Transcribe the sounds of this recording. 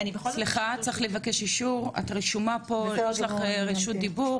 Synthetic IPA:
nibesliχat͡sʁeχlevake̞ʃiʃuʁa̰t̪ʁiʃumapo̞jeʃlaχʁiʃut̪̚d̪ibuʁ

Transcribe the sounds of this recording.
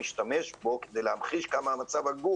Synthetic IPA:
iʃt̪ame̞ʃbo̞ked̪e̞jlehamχiʃkamaːmat͡savhaɡu

